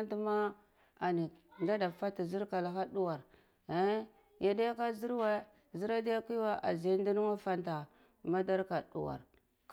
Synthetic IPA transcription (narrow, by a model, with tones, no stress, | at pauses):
nti˦ma˦ | a˨ni˨nda˦da˨fa˦ta˨zi˦ɾka˨la˨xa˦du˦wa˨ɾ | e˦ | ja˨da˦ja˦ka˦zi˦ɾwa˦ | zi˦ɾa˦di˦ja˦ki˦wa˦ʔa̰˨ze˨˦n˦di˦nu˦wa˦fa˦nta˨ | ma˦da˦ɾka˨dṵ˨wa̰˨ɾ | k